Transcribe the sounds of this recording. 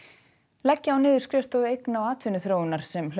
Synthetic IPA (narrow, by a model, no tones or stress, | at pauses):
lɛcːɪawnɪːðʏɾ̥skɾjœst̪ɔðʏejknaawaːt̪ʰvɪnʏθɾoːwɪnaɾ̥sɛml